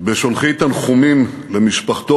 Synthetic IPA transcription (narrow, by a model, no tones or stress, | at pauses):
beʃolχit̪anχumim | lemiʃpaχt̪o